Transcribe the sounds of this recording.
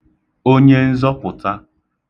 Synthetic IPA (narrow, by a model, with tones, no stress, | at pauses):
o˦ɲe˦n̩˦zɔ˦pʊ˨ta˦